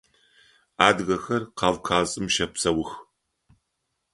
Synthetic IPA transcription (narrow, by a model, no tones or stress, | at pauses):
aːdɣɐxɐrqɑːvkʰaːsʼɨmʃɐpsɐwʊx